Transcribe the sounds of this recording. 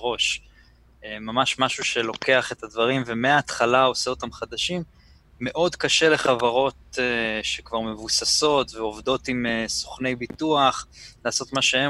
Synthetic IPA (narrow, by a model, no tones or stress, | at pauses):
ʁo̞ʃ | emamaʃmaʃuʃelo̞ke̞aχe̞t̪advaʁimvemeaːt̪χalao̞seo̞tamχad̪aʃimː | e̞ʔo̞dkaʃe̞le̞χavaʁo̞teʃekvaʁme̞vusaso̞tveo̞vd̪o̞t̪imeso̥χne̞jbit̪uaχlaːso̞t̪maʃee